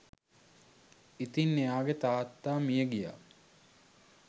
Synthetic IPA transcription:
it̪inːeaːɡet̪aːt̪ːaːmijəɡija̰ː

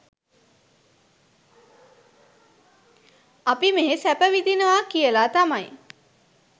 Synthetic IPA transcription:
apimeɦesæpəʋid̪inəʋakijəlaːt̪amaj

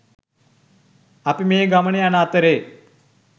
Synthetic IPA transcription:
ɐpimeːɡɐmɐɳeɐnaːt̪ɐɾeː

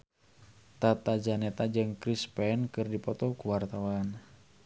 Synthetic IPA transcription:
t̪at̪ad͡ʒanɛt̪ad͡ʒɨŋkɾispɛnkɨrdipɔt̪ɔkuwart̪awan

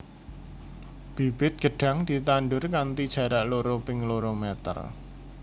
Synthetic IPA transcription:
b̥ib̥ɪt̪̚ɡ̥ə̤ɖ̥a̤ŋd̪̥i̤t̪anɖʊrkant̪id̥ʒ̥ä̤ɾaʔloɾopɪŋloɾomɛt̪ə̰r

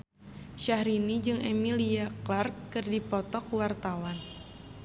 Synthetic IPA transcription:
ʃahɾinid͡ʒɨŋemiliaklarkːɨrdipɔt̪ɔkwart̪awan

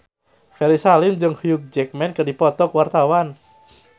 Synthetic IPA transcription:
hɛɾisalɪmd͡ʒəŋhjuk̚d͡ʒɛk̚mɛnkərdipɔt̪ɔkuwart̪awan

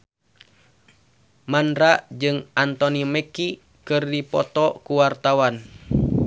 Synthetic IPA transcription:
mandɾaʔd͡ʒɨŋant̪ɔnimɛki | kɨrdipɔ̰t̪ɔkuwart̪awan

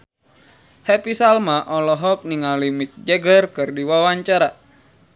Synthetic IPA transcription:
hɛpisalmaʔɔlɔɦɔk̚niŋalimik̚d͡ʒɛɡərkɨrdiwawaɲt͡ʃaɾa

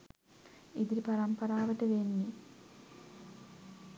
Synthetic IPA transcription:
id̪iɾipɐɾɐmpɐɾaːʋɐʈːeʋenːi

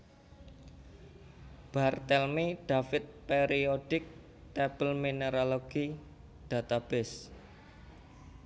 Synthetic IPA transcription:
b̥art̪ɛlmeɖ̥a̤fɪt̪̚peɾioɖ̥ɪk̚ | t̪ɛb̥əlmineɾaloɡ̥i | d̪̥a̤t̪ab̥ɛs

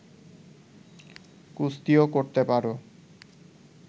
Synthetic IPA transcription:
kust̪iokoɾt̪epaɾo

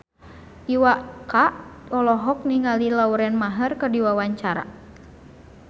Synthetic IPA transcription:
ʔiwakaʔlɔlɔɦɔk̚niŋalilauɾɛnmaɦərkədiwawaɲt͡ʃaɾa̰

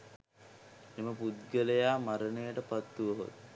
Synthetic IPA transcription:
eməpud̪ɡələjaːmaɾənejəʈəpat̪ːuʋəɦo̰t̪

